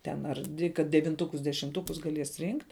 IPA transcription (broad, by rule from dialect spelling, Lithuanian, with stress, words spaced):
tʲɛn ɐr ˈdʲʋʲɪ kɐt dʲɛʋʲɪnˈtʊkʊs dʲɛʃʲɪmˈtʊkʊs ɡɐˈlʲiɛs ˈrʲiːŋktʲ